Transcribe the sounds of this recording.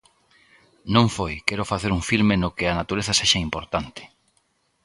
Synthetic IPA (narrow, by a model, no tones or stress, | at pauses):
nõŋfojkɛɾʊfaθeɾuŋfilmenokɪɐnat̪uɾeθɐseʃɐimpoɾt̪ant̪ɪ̥